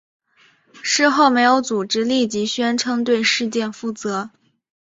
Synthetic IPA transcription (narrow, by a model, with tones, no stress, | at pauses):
ʂɻ̩˥˧xo˥˩ʊme˧˥ɪjo˧˥ʊt͡su˨˩ʈ͡ʂɻ̩˥li˥˩t͡ɕi˧˥ɕɥɛ˥nʈ͡ʂʰɤ˥ŋt̪̬we˥˧ɪʂɻ̩˥˧t͡ɕjɛ˥˧nfu˥˩t͡sɤ˧˥